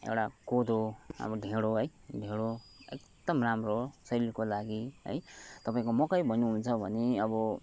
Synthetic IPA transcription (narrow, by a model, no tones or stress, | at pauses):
ḛwʈakod̪oʌ̰bʌɖʱeɽoɦʌjdʱeɽoekd̪ʌmramrosʌɾilkolaɡiɦʌ̰jt̪ʌpaĩkomʌkʌjbʱʌnuɦunt͡sʰʌbʱʌneʌbʌ